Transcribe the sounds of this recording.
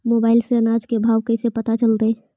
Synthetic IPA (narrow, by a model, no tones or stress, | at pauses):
mobaːɪlseənad͡ʒkebʱawkəɪsepət̪at͡ʃəld̪e